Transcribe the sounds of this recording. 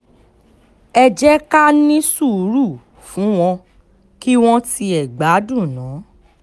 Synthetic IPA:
ɛ˧d͡ʒɛ˦ka˦nĩ˦su˦˨˦ɾu˦˨ | fũ˨˦w̃ɔ̃˧ | ki˦w̃ɔ̃˦ti˧ɛ˨ɡ͡ba˨˦du˦˨nãː˨˦

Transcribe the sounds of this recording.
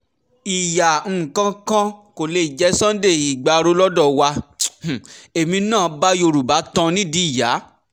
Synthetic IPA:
i˨ja˨ŋ̩˨kã˧kã˦ko˨le˨˧i˨d͡ʒɛ˨˦sã˦de˦˨i˨ɡ͡ba˨˧ɾo˨˧˦lɔ˦dɔ˦˨wã˧˨ | e˨mĩ˧nãː˦˨ba˦jo˧ɾu˨ba˨˦tɔ̃˧nĩ˦di˨˦i˦˨ja˨˦

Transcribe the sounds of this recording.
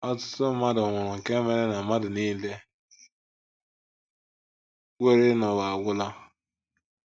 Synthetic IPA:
ɔ˦tʊ̥˦tʊ˦ma˦dʊ˨ŋʷʊ˨ɾɔ˨ŋ̩˨ke˦me˨ɾe˦na˨ma˦dʊ˨ni˦le˦ | wʷe˦ɾɪ˦nɔ˨wa˨a˨ɡʷʊ˦la˦

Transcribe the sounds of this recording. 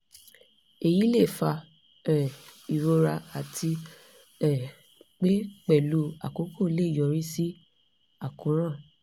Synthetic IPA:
e˨ji˨˦le˦˨fa˧ | ɛ˨i˨ɾo˧ɾa˧a˨tʰi˧ | ɛ˦˨ | k͡pe˦k͡pɛ˦˨lu˧˦a̰˨ko˨˦kʰo˦˨˦le˦i˨jɔ˨ɾĩ˦si˦ | a˦˨kũ˨˦ɾ̃ã˦˨

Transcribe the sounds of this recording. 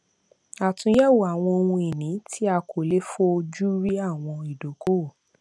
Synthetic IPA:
a˨tũ˧jɛ˦wu˨a˨w̃ɔ̃˧o˧wũ˧i˨nĩ˨˦tʰi˦a˧kʰo˨le˦fo˦o˧d͡ʒu˦ɾi˦a˦˨w̃ɔ̃˧i˨do˨˦ko˦˨

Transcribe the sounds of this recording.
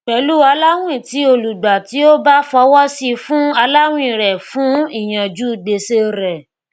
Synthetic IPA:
k͡pɛ˨˦lu˦a˧la˦w̃ĩ˦˨ti˨˦o˧lu˨ɡ͡ba˨ti˨˦o˦ba˦fɔ˧wɔ˦si˧fũ˦a˧la˦w̃ĩ˦˨ɾɛ˨fũ˨˦i˦˨j̃ã˨d͡ʒu˦˨de˧se˧˦ɾɛ˨

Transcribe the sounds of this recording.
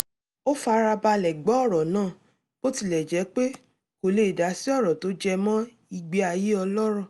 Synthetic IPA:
o˦fa˧˦ɾa˧ba˧lɛ˨ɡ͡bɔ˨˦ɔ˦˨ɾɔ˨nãː˦˨ | ko˦ti˦˨lɛ˨d͡ʒɛ˨˦k͡pe˦ | ko˨le˦i˨da˨˦si˦ɔ˦˨ɾɔ˨to˨˦d͡ʒɛ˧mɔ̃˦ | i˧ɡ͡be˧a˧je˦ɔ˧lɔ˦ɾɔ̃˦˨

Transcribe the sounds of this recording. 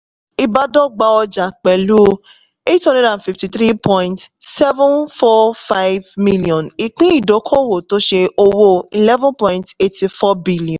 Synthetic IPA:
i˧ba˧dɔ˦ɡ͡ba˧ɔ˧d͡ʒa˨k͡pɛ˨lu˦ | e˦thɔ̃˦dɛ˦dã˨n˨fi˨fti˨˧t̪ɾi˦pʰɔ̃˧jĩntsɛ˦vũ˦nfɔ˦fa˦jvmi˦liɔ̃˨ni˨k͡pĩ˦i˦˨do˨˦kʰo˦wo˨to˦ʃe˧ʔo˧wo˦i˨lɛ˦vɔ̃˦npɔ̃˦j̃nte˧ti˧fɔ˦bi˦li˨ɔ̃˨

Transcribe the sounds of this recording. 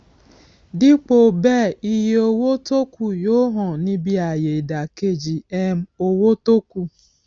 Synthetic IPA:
dɪ˦k͡po˨bɛ˦˨i˦je˦o˦wo˦to˦kʷu˦jo˦ɦɔ˨nĩ˦bi˦a˨je˨da˨ke˦˨d͡ʒi˨ɛ˦m̩˦o˦wo˦to˦ku˦˨

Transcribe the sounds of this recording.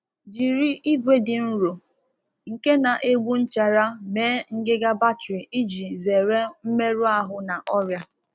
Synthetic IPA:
d͡ʒi˨ɾi˦ʔi˦ɡʷe˦dɪ˨n̩˦ɾo˨ | ŋ̩˨ke˦na˨ʔe˦ɡ͡bʷu˦n̩˦t͡ʃa˨ɾa˦meː˦ŋ̩˦ɡɪ˦ɡa˦ba˦t͡ʃɾi˨i˦d͡ʒi˨ze˨ɾe˦m̩˦me˦ɾu˦a˦ɦʊ˦na˨ʔɔ˦ɾja˦

